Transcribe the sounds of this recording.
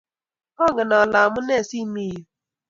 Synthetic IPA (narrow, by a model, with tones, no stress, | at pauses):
ɔ˦ɡɪ˨na˨la˨mʊ˦ne˦˨si˦mi˦˨u˨